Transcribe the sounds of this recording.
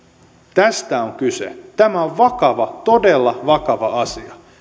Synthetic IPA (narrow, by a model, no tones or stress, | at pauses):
t̪æst̪æoŋkysḛt̪æmæoʋʋɑkɑʋɑt̪odelːɑʋɑkɑʋɑɑsiɑ